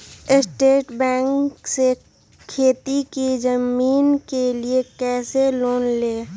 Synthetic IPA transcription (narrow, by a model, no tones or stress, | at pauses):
ɪsʈeːʈbɛ̃ːŋkse | kʰeːt̪ikid͡ʒəmiːnkeliekɛːseloːnleː